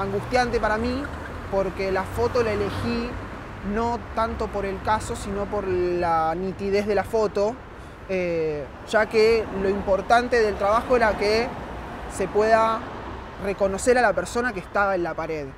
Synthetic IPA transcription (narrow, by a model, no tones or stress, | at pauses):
aŋɡust̪jant̪e̞paɾamĩ | po̞ɾkelafo̞t̪o̞laele̞xi | no̞t̪ant̪o̞po̞ɾe̞lkaso̞sino̞po̞ɾlanit̪ið̞e̞ɦðe̞lafo̞t̪o̞ | e | ʒ̥akelo̞impo̞ɾt̪ant̪e̞ðe̞lt̪ɾaβaxo̞eɾake | se̞pweða | re̞ko̞no̞seɾalapeɾso̞nakeht̪aβaenlapaɾeð